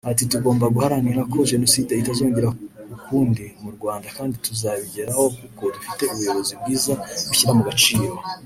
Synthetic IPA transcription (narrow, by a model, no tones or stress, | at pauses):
atituɡo̞ːmbaɡuhaɾaniɾakʰo̞ʒe̞no̞side̞itazeuŋɡiɾaukuːndimuɾɡwaːndakaːndituzaβiɟe̞ɾaho̞kuko̞dufite̞uβujo̞βo̞zib̚ɡiːzaɡuçiɾamuɡat͡ʃiːma